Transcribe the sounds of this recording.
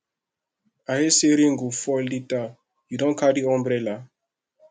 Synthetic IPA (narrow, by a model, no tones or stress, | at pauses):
ajeseɾiŋ̩ɡofɔldita | judɔ̃nkadiɔ̃mbɾɛla